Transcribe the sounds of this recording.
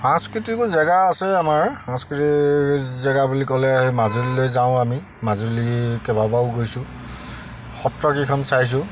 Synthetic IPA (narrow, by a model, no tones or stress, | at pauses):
ãskɹitikuzɛɡaːsɛamaɹãskɹitizɛɡabulikɔlɛaɦɛmazulilojzaʊ̃ami | mazulikɛbabaʊɡojsʊ̃ | xɔtɹɔkikʰɔnsajs̬ʊ̃